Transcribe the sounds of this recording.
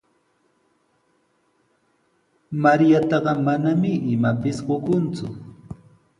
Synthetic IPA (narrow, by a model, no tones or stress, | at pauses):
maɾjat̪ɑɢɑmanamɪʔɪmapɪsɢokʊnt͡sʊ